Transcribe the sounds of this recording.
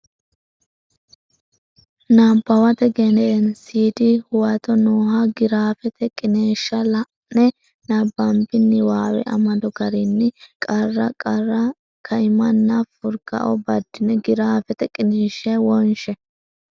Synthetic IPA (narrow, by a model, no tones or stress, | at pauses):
nampːɐwɐt̪ɛɡɛnɛʔɛnsiːd̪ɪhʊwɐt̪ɔnoːɦaɡɪɾaːfɛt̪ɛkʼɪneːʃːɐlɐʔnɛ | nɐbɐmbɪnːɪwaːwɛ̰ʔɐ̰mɐd̪ɔɡɐɾɪnːɪkʼɐrːɐkʼɐrɐ | kʰɐɪmɐnːɐfʊɾɡɐ̰ʔɔ̰bɐd̪ːɪnɛɡɪɾaːfɛt̪ɛkʼɪneːʃːɛwɔnʃɛ